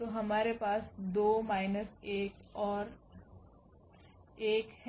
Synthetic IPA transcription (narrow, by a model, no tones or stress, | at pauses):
t̪oɦɐmaːɾepaːsd̪oːmaːɪnəseːkɔːɾ | eːkh